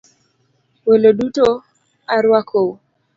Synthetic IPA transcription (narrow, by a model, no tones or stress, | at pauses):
weloɗuto | aɾwakʰo